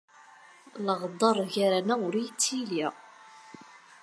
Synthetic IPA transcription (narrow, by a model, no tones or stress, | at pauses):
ləʁd̪ˤɑɾˤʝaɾænæʊɾijt͡sːil